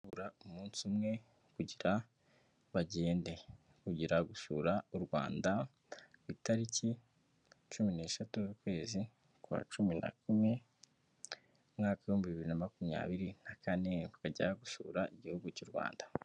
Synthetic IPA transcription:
uɾaumuːnsumŋe̞ | kuɟiɾa | βaɟe̞ːnde̞ | kuɟiɾaɡuʃṵːɾauɾɡwa̰ːnda | βitaɾici | t͡ʃumine̞ːʃatuzukwe̞ːzi | kwa̰ːt͡ʃumina̰kume | mŋaːkajuːmbiβiβiɾinamakumɲa̰ːβiɾinakane̞βukaɟa̰aɡuʃṵːɾaiɟihuɡucuɾɡwa̰ːnda

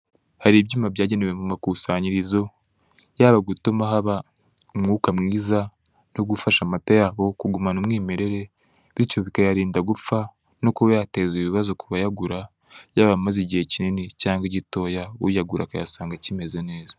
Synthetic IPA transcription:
haɾiːbɟiːmabjaːɟe̞newe̞mumakusaɲiɾizo̞ | jaːβaɡutumaɦaβa | umŋuːkamŋiːza | noɡufaʃamatojaːβo̞kuɡumanumŋiːme̞ɾe̞ɾe̞ | βiicoβikajaɾiːndaɡufa | nokowjate̞ːziβiβazokuβajaɡuɾa | jaːβamaziɟihe̞cininicaːŋɡiɟito̞ːjawṵjaɡuɾa̰kaja̰saːŋɡacime̞ze̞ne̞ːzḁ

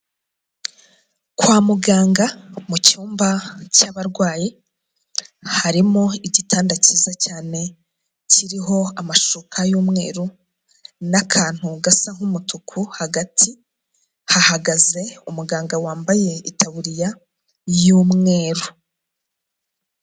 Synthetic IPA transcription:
kwaːmuɡaːŋɡamucuːmbacaβaɾɡwaːji | haɾimoiɟitʰaːndacizacaːne̞ | ciɾiɦo̞amaʃukʰajuːmŋe̞̰ːɾu | nakʰaːn̥huɡasaŋ̥umutukʰuhaɡatʰi | hahaɡaze̞umuɡaːŋɡawaːmbaje̞itʰaβuɾija | juːmŋe̞ːɾu

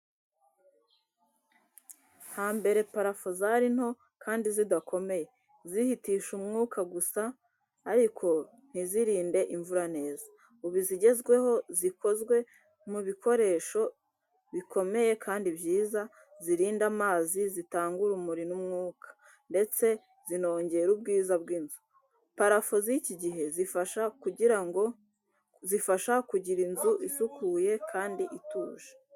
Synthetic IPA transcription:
haːmbe̞ɾe̞paɾafozaɾin̥ho̞ | kʰaːndizidako̞me̞je̞ | zihitiːʃumŋuːkaɡusaː | ɾikʰo̞ | n̥hiziɾiːnde̞ʔiɱvuɾane̞ːza | uβiziɟe̞zɡwe̞ho̞zikʰo̞zɡwe̞ | muβikʰo̞ɾe̞ːʃo̞ | βikʰo̞me̞je̞kʰaːndibjiːza | ziɾiːndamaːzizitaːŋɡuɾumuɾinumŋuːkʰḁ | nde̞t͡se̞ | zino̞ːɲɟe̞ɾub̚ɡiːzabɡinzu | paɾafo̞ziciɟiɦe̞zifaʃakuɟiɾaŋɡo̞ | zifaʃakuɟiɾinzuʔisukuːjekʰaːndiʔituːʒḁ

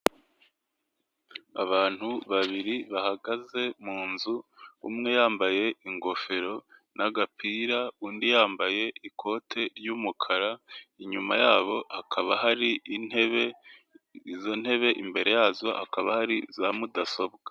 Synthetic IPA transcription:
aβaːn̥huβaβiɾiβahaɡaze̞muːnzuṵmŋe̞jaːmbaje̞iŋɡo̞fe̞ɾo̞naɡapʰiɾauːndijaːmbaje̞ʔikʰo̞ːtʰe̞ɾjumukʰaɾaiɲumajaːβo̞hakʰaβaɦaɾineβe | izo̞n̥he̞βe̞ʔimbe̞ɾe̞jaːzo̞ha̰kaβahaɾizamudaso̞bɡ̥ḁ

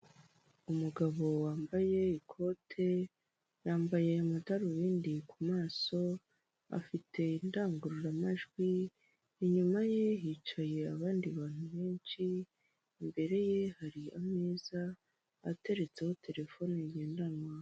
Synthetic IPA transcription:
umuɡaβo̞waːmbaje̞ikʰo̞tʰe̞ | jaːmbaje̞mataɾuβiːndikumaːso̞ | a̰fitʰe̞indaːŋɡuɾuɾamaʒɡwiː | ɲumaje̞jit͡ʃaje̞aβaːndiβaːn̥uβe̞ːnʃiː | mbe̞ɾe̞je̞haɾiameːzaː | te̞ɾe̞t͡se̞ho̞tʰe̞ɾe̞fo̞noiɟe̞ːndanwa

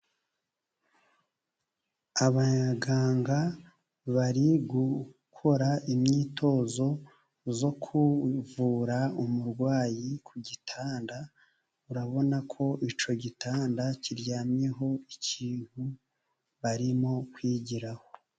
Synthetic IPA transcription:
aβaɲaɡaːŋɡa | βaɾiɡukʰo̞ɾaʔimɲiːtʰo̞ːzo̞ | zo̞kʰuvuːɾaumuɾɡwaːjikʰuɟitʰaːnda | uɾaβo̞nakʰo̞ʔit͡ʃo̞ɟitaːndaciɾjaːmjeɦo̞iciːhu | βaɾimo̞kwiːɟiɾaho̞

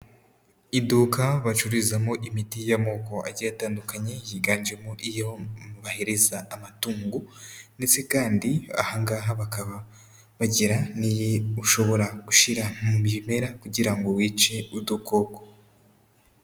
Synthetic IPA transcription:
iduːkaβat͡ʃuɾizamoʔimitijamoko̞a̰ɟijataːndukaɲe̞jiɡaːnd͡ʒe̞moʔijomuβahe̞ɾe̞zaːmatuːŋɡunde̞t͡se̞kaːndia̰haŋɡaːɦaβakaβa | βaɟiɾanijeuʃo̞βo̞ɾaɡ̥uʃiɾamumime̞ɾakuɟiɾaŋɡo̞wiːt͡ʃe̞udukoko

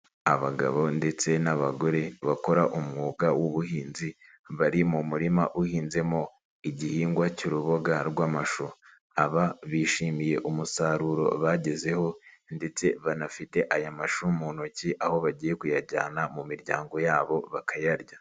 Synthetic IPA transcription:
aβaɡa̰βo̞nde̞t͡se̞naβaɡo̞ɾe̞βako̞ɾaʔumŋuːɡawoβuhiːnzi | βaɾimumuɾima̰ʔuhiːnze̞mo̞ | iɟihiːŋɡwaciɾuβo̞ɡaɾɡwaːmaʃu | aβaβiːʃiːmije̞ʔumusaɾuːɾo̞̰βaɟe̞ze̞ho̞nde̞t͡se̞βanafite̞ʔajamaʃumuːnociʔaho̞βaɟiːje̞kujaɾɟaːnamumiɾɟa̰ːŋɡo̞jaːβo̞βakajaɾɟa

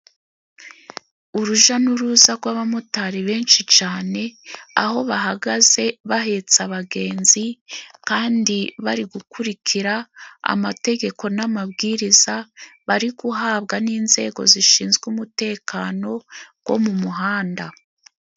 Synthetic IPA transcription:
uɾuʒanuɾuzaɡwaβamutaɾiβe̞ːnʃit͡ʃaːne̞a̰ho̞βaɦaɡaze̞βaɦe̞t͡saβaɡe̞ːnzikaːndiβaɾiɡukuɾikʰiɾaa̰mate̞ɡe̞ko̞namabɡiːɾizaβaɾiɡuɦaːβɡaniːnze̞̰ːɡo̞̰ziʃiːnzɡumute̞ːkaːno̞ɡ̥wo̞̰mumuɦaːnda

